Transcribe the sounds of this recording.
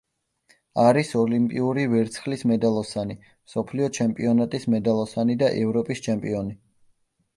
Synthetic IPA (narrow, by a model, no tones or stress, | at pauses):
aɾisɔlimpʼiuɾivɛɾt̪sʰχlismɛd̪alˠɔsani | msɔpʰliɔt͡ʃʰɛmpʼiɔnat̪ʼismɛd̪alˠɔsanid̪aʔɛvɾɔpʼist͡ʃʰɛmpʼiɔni